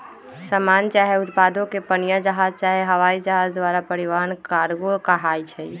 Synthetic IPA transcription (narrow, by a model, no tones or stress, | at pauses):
səmant͡ʃaɦeʊt̪pad̪ʱõkepənijəd͡ʒəɦad͡ʒt͡ʃaɦeɦəʋaid͡ʒəɦad͡ʒd̪ʋaɾapəɾiʋaɾənkaɾɡokaɦajt͡ʃʰɛ